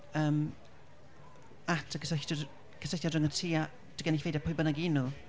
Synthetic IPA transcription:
əːm | atʰəkʰəsəxtɔ | kʰəsəθadrəŋətʰiːa | d̥əɡɛnifejdapʰʊjbənaɡinu

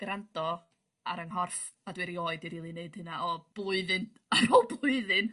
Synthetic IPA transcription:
ɡ̥rantɔ | a̰ɾəŋɦɔrf | adwɨɾioːɨdiɾiːlˠineɨd̥hɨnaʔɔb̥lˠʊɨðɨn | aɾɔlˠblˠʊɨðɨn

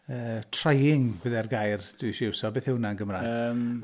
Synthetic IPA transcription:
əːtʰr̥ajɪŋbəðɛrɡajrd̥wɪʃɪwsɔbeːθhɪwnanɡəmram

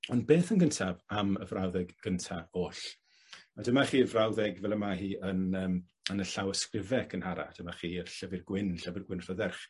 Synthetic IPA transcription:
ɔnbeːθənɡəntʰavamə̰vrawðɛɡɡ̥əntʰaoːɬ | adəmaχiːəvrawðɛɡvɛlˠəmahiːʔənəːm | ənəɬawəskrɪvɛkʰənhaɾa̰d̥əmaχiːərɬəvɪrɡwɪnɬəvɪrɡwɪnr̥ɔðɛrχ

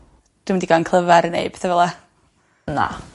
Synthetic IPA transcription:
d̥wimɪndiɡankʰlˠəvɛɾənḛjb̥θavɛlˠa | na̰

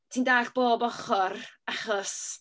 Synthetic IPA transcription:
tʰiːndaːɬb̥oːbɔχɔraχɔs

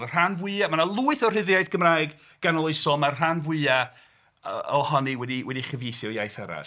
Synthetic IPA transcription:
r̥anvwɨamanalˠuːɨθɔr̥ɪðjajθɡ̥əmraːjɡ | ɡ̥anɔlˠojsɔmarr̥anvwɨa | ɔhɔniwɛdiwʔɛdiχəvjejθjɔjajθəɾa̰

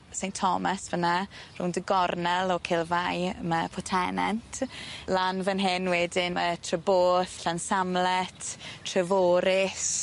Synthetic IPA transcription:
sejntʰɔmasvənarṵːndəɡɔrnɛlˠɔkʰɪlˠvajməpʰɔtʰɛnɛntʰlanvənɦɪnwɛdɪnmətʰrəboːθɬansamlɛtʰtʰrəvoːɾɪs

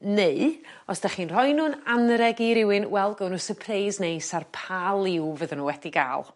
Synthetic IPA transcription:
neɨ | ɔsd̥aχiːnr̥ɔjnuːnanɾɛɡiɾɪwɨnwɛlˠɡɔwnusəpʰrejznejsarpʰalˠɪwvəðənuːwɛdiɡa̰ːlˠ

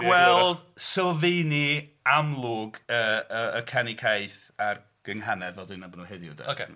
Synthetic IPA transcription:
ɡ̥wɛlˠd̥sɛlˠvejniamlˠʊːɡəəəkʰanikʰajθ | ar | ɡ̥əŋɦanɛðɛlˠdɨnabɔnuheðjʊ̰dɛ̰okʰḛ

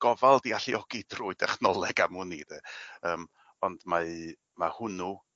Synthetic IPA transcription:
ɡ̥ɔvalˠdiaɬiɔɡ̥idruɨdɛχnɔlˠɛɡamʊniðɛəːm | ɔndmaɨ | mahʊnu

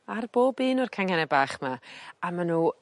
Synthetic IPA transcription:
arb̥oːbiːnʊrkʰaŋɛnɛbaːχmaamanu

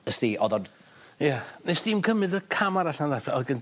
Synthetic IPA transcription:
əstiːʔɔðɔd | janɛsd̥imkʰəmɨðəkʰamaɾaɬnaðatʰaɔðɡən

